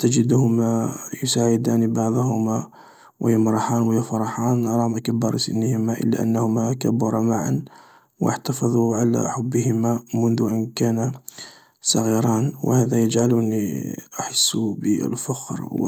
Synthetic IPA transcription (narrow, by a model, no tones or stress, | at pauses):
t̪ad͡ʒɪd̪hʊmajʊsaːʕɪd̪aːnibɑʕðˤhʊma | wʔɪ̰jəmɾˤɑħɑːnwɪjafɑɾˤɑħɑːnɾˤɑːmakabːɑɾˤsə̰nːəhɪmaʔə̰lːa̰ʔa̰nːahʊmakabːɑɾˤɑmaʕa̰n | wʔa̰ħt̪ɑfɑðˤuʕala̰ħabːəhɪmamʊnd̪ʊʔankaːna | sˤɑɣiɾˤɑːnw̰haːðajəd͡ʒʕalniʔaħasːbə̰lfɑxɾw̰